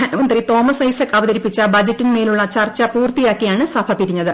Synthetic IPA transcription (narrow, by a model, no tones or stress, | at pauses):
ɐnɐmɐnd̪rit̪o̞ːmɐsɐjsekːɐʋɐðɐɾipːit͡ɕːɐbɐd͡ʑɐtːinmeːluɭːɐt͡ɕɐrt͡ɕːɐpuːrt̪ijaːkːijaːɳɨsɐbʱɐpiɾiɲːɐðɨ